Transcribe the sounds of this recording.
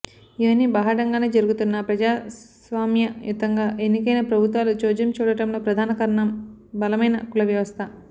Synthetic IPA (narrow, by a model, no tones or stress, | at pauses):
iʋɐnːibɐːɦɐɽɐŋɡaːneːd͡ʒɐɾuɡut̪unːɐpɾɐd͡ʒaːsʋaːmjɐjut̪ɐŋɡaːʔenːikɐjnɐpɾɐbʱut̪ʋaːlud͡ʒoːd͡ʒɐmt͡ʃuːɽɐʈɐmlo̞ːpɾɐd̪ʱaːnɐkɐɾɐɳɐmbɐlɐmɐjnɐkulɐʋjɐʋɐst̪ʰɐ